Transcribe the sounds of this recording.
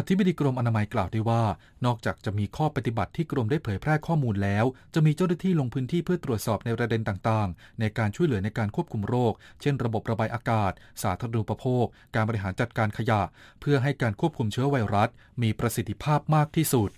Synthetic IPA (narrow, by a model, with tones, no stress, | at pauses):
ʔa˧t̪ʰi˦˥ba˧diː˧kɾo˧mʔa˧naː˧ma˧jklaː˨˩wdaː˥˩jwaː˥˩ | nɔː˥˩k̚t͡ɕaː˨˩k̚t͡ɕa˨˩ʔmiː˧kʰɔː˥˩pa˧t̪i˨˩ba˨˩t̪ʰːiː˥˩kɾo˧mdaː˥˩jpʰɤː˩˦jpʰɾɛː˥˩kʰɔː˥˩muː˧nlɛː˦˥wt͡ɕa˨˩ʔmiː˧t͡ɕa˥˩wna˥t̪ʰiː˥˩lo˧ŋpʰɯː˦˥nt̪ʰiː˥˩pʰɯ˥ɐt̪ɾu˨˩ət̪̚sɔː˨˩p̚na˧jpɾa˧de˧nt̪aː˨˩ŋt̪aː˨˩ŋ | na˧jkaː˧nt͡ɕʰu˥˩jlɯ˩˦əna˧jkaː˧nkʰu˥˩əp̚kʰu˧mɾoː˥˩k̚t͡ɕʰe˥˩nɾa˧bo˨˩p̚ɾa˧baː˧jʔaː˧kaː˨˩t̪̚saː˩˦t̪ʰaː˧ɾa˧nʔu˨˩pːa˧pʰoː˥˩k̚ːaː˧nbɔ˧ɾi˧ɦaː˩˦nt͡ɕa˨˩t̪̚kaː˧nkʰa˧ja˨˩ʔpʰɯ˥˩ɐɦa˥˩jkaː˧nkʰu˥˩p̚kʰu˧mt͡ɕʰɯ˦˥ɐwa˧jɾa˦˥t̪̚ | miː˧pɾa˧si˨˩t̪ʰːi̥˦˧pʰaː˥˩p̚maː˥˩k̚t̪ʰiː˥˩su˨˩t̪̚